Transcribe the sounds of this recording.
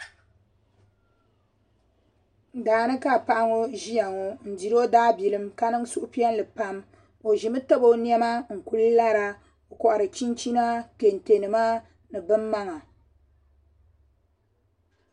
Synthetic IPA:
daː˨nɨ˦ka˦˨pa˦ʔa˦ŋo˦ʒi˦a˨ŋo˦n̩˨di˨ɾo˦daː˦bi˨lɨ˦mka˦nɨ˦ŋ˦su˦ʔʊ˦pi˦ɛ˦n˦lɨ˨pa˦m | o˨ʒi˨mɨ˦ta˦bo˦ni˦ɛ˦ma˦ŋ̩˨ku˦lla˦ɾa˦ | o˨kɔ˨ʔa˨ɾɨ˨t͡ʃi˦nt͡ʃi˦na˦ke˨n̩˨te˨nɨ˨ma˦ | nɨ˨bɨ˦mːa˦ŋa˨

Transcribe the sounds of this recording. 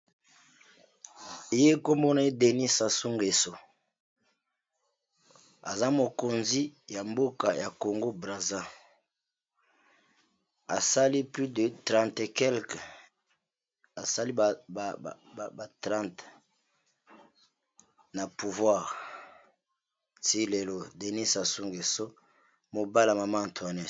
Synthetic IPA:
e˨je˦ko˦mo˦na˦e˦de˨ni˦sa˨su˦ŋɡe˨so˨ | a̰˨za˦mo˨ko˨nzi˦ja˨mbo˦ka˨ja˨ko˨ŋɡo˦bʁa˨za˦ | a̰˨sa˦li˦ply˦də˨tʁã˨ntkɛ˦lk | a˨sa˦li˦˨ | ba˨tʁã˦˨nt | na˨pu˨vwa˦˨ʁ | ti˦le˨lo˦de˨ni˦sa˨su˦ŋɡe˨so˦ | mo˨ba˦la˨ma˨ma˦˨twa˨nɛ˨

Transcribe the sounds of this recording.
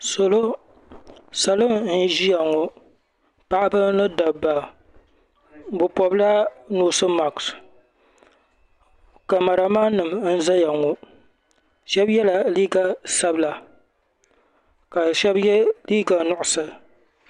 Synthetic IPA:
so˨lo˦ | sa˨lɨ˦mn̩˦ʒi˦ja˨ŋo˨ | pa˨ʔa˦bɨ˦nɨ˦da˨bːa˨ | bʊ˨pɔ˨bla˦noː˨˦sɨ˦ma˨ks | ka˨ma˨ɾa˨maː˦nɨ˨mn̩˦za˦ja˨ŋo˨ | ʃɛ˦bjɛ˦la˨liː˦ɡa˨sa˦bla˨ | ka˨ʃɛ˦bjɛ˦liː˦ɡa˨nʊ˦˨ʔʊ˨sɨ˨

